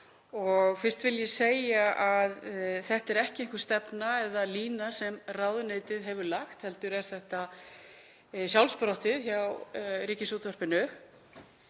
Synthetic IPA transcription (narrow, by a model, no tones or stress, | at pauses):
ɔɣfɪr̥t̪vɪljɛseːjaʔaðθɛht̪ɛɾɛhcɪeŋ̥kʏɾ̥st̪ɛpnaɛðaliːnasɛmrawðʏnejt̪ɪðɦɛvʏɾlaxt̪hɛlt̪ʏɾɛɾ̥θɛht̪a | sjawlspɾɔht̪ɪðçawɾiːcɪsuːt̪vœr̥pɪnʏ